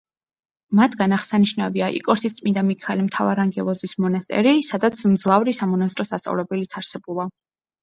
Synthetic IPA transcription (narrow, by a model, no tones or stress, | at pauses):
mat̪ʰɡanaχsaniʃnaviaʔḭkʼɔɾt̪ʰist̪sʼmind̪amikʰalimt̪ʰavaɾaŋɡɛlˠɔzismɔnast̪ʼɛ̰ɾisad̪at̪sʰmd̪zlˠavɾisamɔnast̪ʼɾɔsast̪ʼa̰vlɛbɛlit̪sʰaɾsɛbulˠa